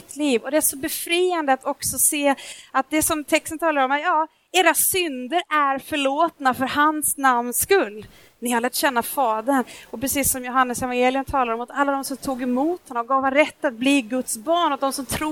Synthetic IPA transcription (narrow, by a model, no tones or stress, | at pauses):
t̪ʰliːvɔd̪ɛæʂɔbɛfɾiːand̪əat̪ʰɔksɔseːat̪̚d̪ɛsɔmt̪ʰɛkst̪ənt̪ʰɑːlaɾɔmat̪jɑː | eːɾasʏnd̪əɾæɾfœɭoːt̪nafœɾhansnamnskɵlː | nɪhaɾlæːʈɕɛnːafɑːd̪əɳɔpɾɛsiːsːɔmjʊɦanːəsɛvanjeːlɪjənt̪ʰɑːlaɾɔmat̪alːad̪ɔmsɔmt̪ʰuːɡɛmuːt̪hɛnːaɔɡɑːvaɾɛt̪ːat̪̚bliːɡɵt̪sbɑːɳɔd̪ɔmsɔmt̪ʰɾuː